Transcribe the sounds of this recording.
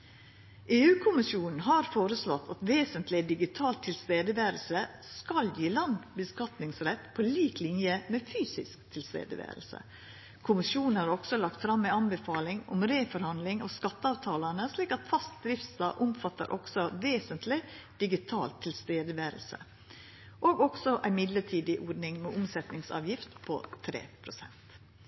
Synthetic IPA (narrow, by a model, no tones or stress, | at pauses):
ʔeːʉːkʰʊmɪsjuːnn̩ɦɑːɾfoːɾəslɔt̪ʰːɑt̪ʋeːsənt̪lɪd̪ɪɡɪt̪ʰɑːlt̪ʰːɪlst̪eːd̪əʋeːɾəlsə | skɑljiːlɑnd̪bəskɑt̪nɪŋsɾɛt̪ːpʰoːliːklɪnjəmeːfyːsɪ̰skt̪ʰɪlst̪ḛːd̪əʋḛːɾəlsə̰ | kʰʊmɪʃjuːnn̩hɑɾɔksɔlɑk̚t̪fɾɑmːɛɑnbəfɑːlɪŋɔmɾeːfɔɾhɑnd̪lɪŋɑskɑt̪ːəɑːʋt̪ʰɑːlɑnəsliːkɑt̪fɑst̪̚d̪ɾɪft̪st̪ɑːʔʊmfɑt̪ːə̰ɾʔɔ̰ksɔʋeːsənt̪lɪd̪̥ɪɡɪt̪ʰɑːlt̪ʰːɪlst̪eːd̪əʋeːɾəl̩sə̰ | ʔoːɡɔksɔʔæɪmɪd̪ləʈʰiːd̪ɪʔɔɖnɪŋmɛʔʊmsɛt̪nɪŋsɑ̰ːʋjɪft̪pʰɔ̰t̪ʰɾḛːpʰɾʊsɛ̰nt̪